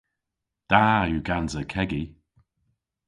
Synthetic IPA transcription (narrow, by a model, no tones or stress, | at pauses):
d̪̥ajuɡanzəkʰɛɡi